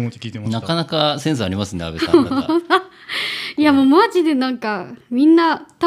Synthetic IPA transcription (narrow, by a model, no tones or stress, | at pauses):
nakanakasẽɰ̃s̬ɨaɾʲimasɨ̃nd̪ea̰beã | iamoːmad͡ʑid̪e̞nãŋkamʲĩnːat̪a